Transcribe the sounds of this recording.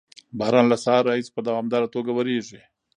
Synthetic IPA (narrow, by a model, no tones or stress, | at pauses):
bahɾɑnlasɑɾːaispəd̪awɑmd̪ɑɾat̪oɡawaɾeʐi